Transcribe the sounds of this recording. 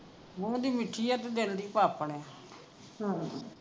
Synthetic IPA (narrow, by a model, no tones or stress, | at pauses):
mõːd̪iːmɪʈʰːiːət̪ed̪eld̪iːpaːpəɽɛː | ɦã